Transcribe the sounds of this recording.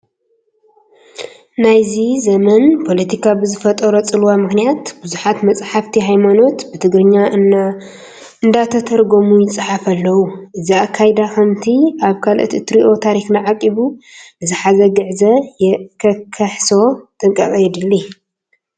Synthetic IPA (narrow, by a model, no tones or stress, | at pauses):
najzizɐmɐnpʰo̞lɐt̪ʰikʰabɨzɨfɐt̪ʼɐɾot͡sʼɨluwamɨxnijat̪bɨzuħat̪mɐt͡sʼħaft̪ʰiɦajmano̞t̪bɨt̪ʰɨɡɾɨɲːa | ʔɨnd̪at̪ʰɐt̪ʰɐɾɡo̞mujɪt͡sʼɨħafɐlːɐwuʔɨziakʰːajd̪axɐmt̪ʰiʔaβkʰalʔt̪it̪ʰɾiʔo̞t̪ʰaɾixnaʕakʼiβuʔɨzɨħazɐɡɨʕzɐjɛkʰɐkʰɐħso̞t̪ʼɨŋkʼɐkʼɐjɛd̪ɨlːi